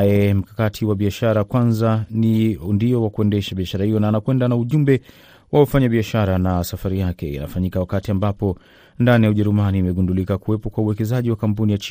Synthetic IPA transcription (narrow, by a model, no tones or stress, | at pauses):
jɛm̩kakatʰiwaɓiaʃaɾakwanzanindiɔwakuɛndɛʃaɓiaʃaɾahijɔnaːnakwɛndanauʄumbɛ | waɔfaɲaɓiaʃaɾanasafaɾijakɛjḭna̰faɲikawakatiambapɔ | ndanijauʄɛɾumaniːmɛɡundulikakuwɛpɔkwauwɛkɛzaʄiwakamp̬unijat͡ʃ